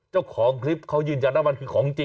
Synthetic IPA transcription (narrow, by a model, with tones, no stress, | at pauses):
t͡ɕaː˥˩wkʰɔː˩˦ŋkʰɾi˦˥p̚kʰa˦˥˩wjɯː˧nja˧nt̪a˦˥wma˧nkʰɯː˧kʰɔː˩˦ŋt͡ɕi˧